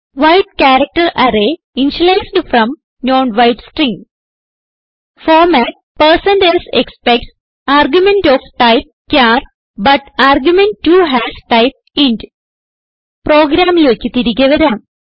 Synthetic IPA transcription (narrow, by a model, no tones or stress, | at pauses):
ʋaɪʈ̚kæːɾɐk̚ʈɐɾʔæɾe | ĩnfulesɖfɾɐ̃m | nõːnʋaɪʈsʈɾĩŋɡ | fɔːɾmæʈ̚ | pəɾsɐ̃nɖelsekspek̚ʈ | aːɾɡjumẽɳʈɔːfʈaɪp̚kaːɾ | bɐʈaːɾɡjumẽɳʈʈːuɦæsʈaɪp̚ĩnɖ | pɾoːɡɾaːmleːkːit̪iɾiɡɐʋɐɾãːm